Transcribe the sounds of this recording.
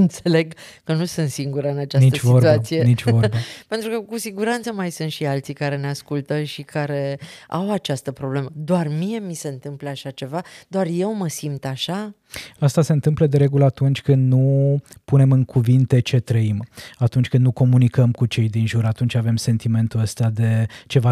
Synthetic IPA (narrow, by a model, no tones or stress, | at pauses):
ɨnt̪se̞le̞ɡkənusɨnt̪siŋɡuɾɨnat͡ʃasniət͡ʃvioruasijenit͡ʃvvobape̞nt̪ɾukəkusiɡuɾant̪səmajsɨnt̪ʃialt̪sikaɾe̞ne̞askult̪əʃikaɾe̞a̰wat͡ʃast̪əpɾo̞ble̞məd̪oarmije̞mise̞ɨnt̪ɨmpləaʃat͡ʃe̞vad̪oarje̞wməsimt̪aʃa | ast̪ase̞nt̪ɨmpləd̪e̞ɾe̞ɡuləat̪unt͡ʃʲkɨnd̪nupune̞mɨŋkʰuvint̪e̞t͡ʃe̞t̪ɾəimat̪unt͡ʃʲkɨnd̪nuko̞munikəmkut͡ʃe̞jd̪inʒuɾat̪unt͡ʃʲave̞mse̞nt̪ime̞nt̪uəst̪ead̪e̞t͡ʃe̞va